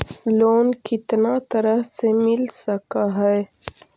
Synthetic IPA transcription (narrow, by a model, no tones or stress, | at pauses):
loːnkɪt̪nat̪ɐɾəɦsemɪlsɐkaɦɛe